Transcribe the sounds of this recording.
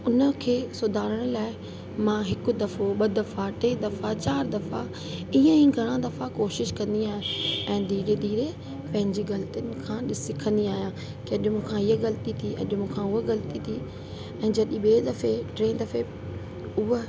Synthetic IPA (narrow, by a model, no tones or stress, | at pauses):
ʊnə̆kʰeːsʊd̪ʱaːɾəɽ̃laːɪ | mãːɦɪkʊ̆d̪ɐfoɓɐd̪ɐfaʈeːd̪ɐfat͡ɕaːɾd̪ɐfa | iːə̃ĩɡʱɐɽ̃ãd̪ɐfakoːʃɪʃkɐ̃nd̪iaːɦeɛ̃ːd̪iːɾed̪iːɾe | pɐ̃ɦɪ̃ɲd͡ʑiɣɐlt̪iʊnɪ̆kʰãːɗɪsɪkʰə̃nd̪iaːɦijã | kɪɐɗmũːkʰãɪɦəɣɐlt̪it̪ʰiɐ̰ʄmũːkʰãʊɦoɣɐlt̪it̪ʰi | ɛ̃ːd͡ʑɐɗiɓeːd̪ɐfeʈɾẽːd̪ɐfe | ʊɦ